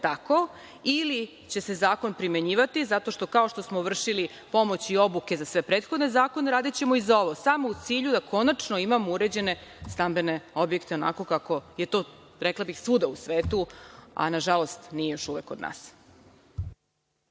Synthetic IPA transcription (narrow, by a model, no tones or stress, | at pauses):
t̪ako̞ | ili | t͡ɕe̞se̞zaːko̞npɾime̞ɲiːʋat̪izat̪o̞ʃt̪o̞kao̞ʃt̪o̞smoʋr̩ʃili | po̞mo̞t͡ɕio̞buke̞zasʋe̞pɾeːt̪xod̪ne̞zaːko̞ne̞ɾaːd̪it͡ɕe̞mo̞izao̞ʋo̞samout̪siːʎud̪akʰo̞nat͡ʃno̞imamouɾe̞d͡ʑe̞ne̞st̪ambe̞ne̞o̞bjekt̪e̞o̞na̰ko̞kako̞je̞t̪o̞ | ɾeklˠabixsud̪ausʋeːt̪ua̰naʒalo̞st̪nijejo̞ʃuʋe̞kod̪na̰ːs